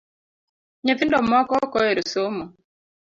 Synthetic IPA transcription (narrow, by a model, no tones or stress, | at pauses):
ɲɛθindɔmɔkɔkɔɛɾusomɔ